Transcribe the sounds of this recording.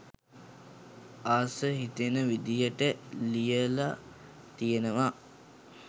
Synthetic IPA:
aːsəɦit̪enəʋid̪ijəʈəlijəla | t̪ijənəʋa

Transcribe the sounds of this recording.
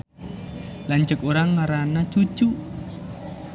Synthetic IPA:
lant͡ʃəkuɾaŋːaɾanḁt͡ʃut͡ʃu

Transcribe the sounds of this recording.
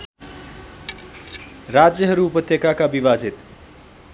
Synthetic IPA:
rad͡zjʌɦʌɾuːpʌt̪ʰjʌkakabiβad͡zit̪

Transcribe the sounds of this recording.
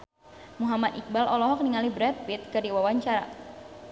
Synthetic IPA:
muɦamad̪ʔik̚balɔlɔɦɔk̚niŋalibɾɛt̪̚fit̪̚kɨrdiwawaɲt͡ʃaɾa̰

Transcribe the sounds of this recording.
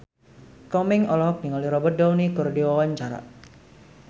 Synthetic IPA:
kɔmɪŋɔlɔɦɔk̚niŋɔliɾɔbɔt̪̚dɔwnikurdiwɔwaɲt͡ʃaɾa̰ʔ

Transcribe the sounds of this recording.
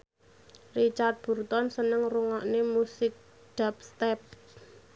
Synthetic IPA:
rit͡ʃart̪̚b̥ṳrt̪ɔnsənəŋruŋɔʔnemusɪk̚ | d̥a̤p̚st̪ɛp̚

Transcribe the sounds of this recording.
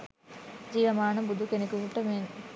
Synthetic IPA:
d͡ʒiːʋɐmaːɳɐbud̪ʱukenɐkuʋuʈːɐmen

